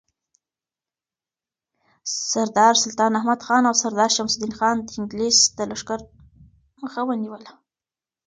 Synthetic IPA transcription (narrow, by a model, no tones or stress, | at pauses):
saɾd̪ɑɾsʊlt̪ɑnahmad̪xɑnawsaɾd̪ɑɾʃamsid̪inxɑnd̪əɪŋɡlesd̪̥əlaʂkaɾ | məxawəniwəla